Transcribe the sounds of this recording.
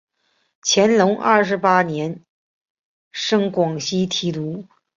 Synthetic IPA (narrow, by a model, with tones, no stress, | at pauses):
t͡ɕʰjɛ˧˥nlʊ˧˥ŋʔɐ˥˩ʂ̬ɻ̩˧˥pa˥njɛ˧˥n | ʂɤ˥ŋkwɑ˨˩ŋɕi˥t̪ʰi˧˥t̪u˧˥